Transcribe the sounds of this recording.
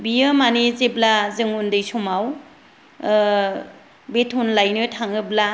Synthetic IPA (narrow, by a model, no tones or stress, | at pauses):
bijɯmanizeblazɯŋundɯjsɔmaw | betʰunlajnɯtʰaŋɯbla